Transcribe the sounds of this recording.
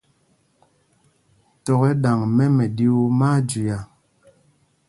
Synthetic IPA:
tɔ˨ɣɛ˦ɗa˨ŋmɛ˦mɛ˨ɗi˦o˦maː˦d͡ʒi˨ja˨

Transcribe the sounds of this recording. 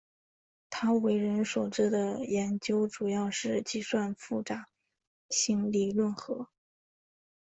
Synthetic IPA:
t̪ʰa˥we˧˥ɪɻə˧˥nʂwɔ˨˩ʈ͡ʂɻ̩˥˩d̪ə˨˩jɛ˧˥nt͡ɕjo˥ʊʈ͡ʂu˨˩jɑ˥˧ʊʂɻ̩˥˧t͡ɕi˥˧swa˥˧nfu˥˩ʈ͡ʂa˨˩˦ | ɕi˥nli˥˧lwə˥˩nxɤ˧˥

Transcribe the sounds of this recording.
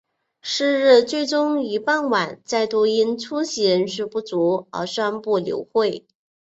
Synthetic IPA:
ʂɻ̩˥˧ɻɻ̩˥˧t͡swe˥˩ɪʈ͡ʂʊ˥ŋi˧˥pa˥˩nwa˨˩˦nt͡sa˥˩ɪt̪wɔ˥˧i˥nt͡sʰu˥ɕi˧˥ɻə˧˥nʂɻ̩˥˧pu˥˩t͡su˧˥ə̰˞˧˥ʂwa˥npu˥˩ljo̰˧˥ʊxwe˥˩ɪ

